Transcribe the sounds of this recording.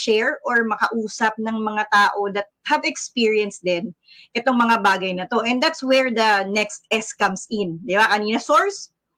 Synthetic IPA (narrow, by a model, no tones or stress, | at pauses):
ʃɛɹʔoɹmɐkɐʔuːsɐp̚nɐŋmɐŋat̪aːʔod̪ɐt̪̚hɐvɛkspiːɹiɛnsd̪ɛn | ʔɛt̪o̞ŋmɐŋabaːɡɐjnɐt̪o̞ʔɛ̃nd̪at̪swɛɹd̪ɐnɛkst̪̚ɛskɐmsɪnd̪ɪbakɐniːnɐsoɹs